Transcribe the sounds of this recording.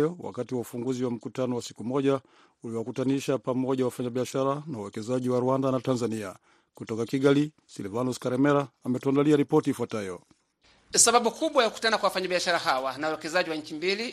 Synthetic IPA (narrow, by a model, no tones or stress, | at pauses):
jɔwa̰katiwaufuŋɡuziwam̩kutanɔwasi̥kumɔʄa | uliwakutaniʃapamɔʄawafaɲaɓiaʃaɾanaawɛkɛzaʄiwaɾuandanatanzania | kutɔkakiɡali | silvanuskaɾɛmɛɾaːmɛtuandaliaɾipɔtiːfuatajɔ̰ | saɓaɓukuɓwajakuku̥tanakwawafaɲaɓiaʃaɾaɦawanawawɛkɛzaʄiwaɲ̩t͡ʃimbili